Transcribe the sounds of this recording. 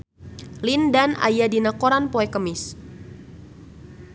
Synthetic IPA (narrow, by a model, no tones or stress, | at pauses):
lindana̰jadinakoɾanpoɛkəmɪs